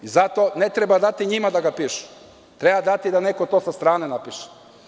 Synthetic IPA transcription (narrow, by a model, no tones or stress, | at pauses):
izat̪one̞t̪ɾebad̪at̪iɲimad̪aɡapiːʃu̥ | t̪ɾe̞bad̪at̪id̪ane̞kot̪o̞ːsast̪ɾaːnenapiʃe̥